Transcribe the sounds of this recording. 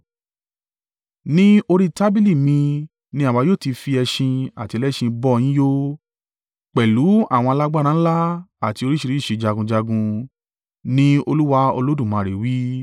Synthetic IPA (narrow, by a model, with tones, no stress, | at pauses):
nĩ˦o˧ɾi˦ta˦bi˦li˦˨mĩ˧ | nĩ˧a˦˨wa˧joː˦˨ti˧fi˧ɛ˧ʃĩ˧a˨ti˧lɛ˦ʃĩ˧bɔ˦˧j̃ĩ˦jo˦ | k͡pɛ˨lu˨˦a̰˦˨w̃ɔ̃˧a˧la˦ɡ͡ba˦ɾ̃ãː˦la˦a˦˨ti˧o˧ɾi˦ʃi˧ɾi˦˨ʃe˨˧d͡ʒa˧ɡũ˧d͡ʒa˧ɡũ˧ | nĩ˦o˧lu˦wa˧˦o̰˧lo˦dũ˦˨mã˨˧˨ɾe˨wi˦